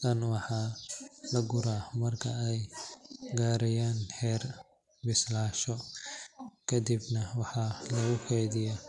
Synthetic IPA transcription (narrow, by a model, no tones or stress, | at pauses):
t̪ʰɐnwɑħɑːlɐɡʊɾaːmɐrkʰɐɛj | ɡaːɾɛjaːnhɛːr | bɪslaːʃɔ | kʰɐd̪ibnɐwɑħɑlɐɣʊkʰɛjðɪja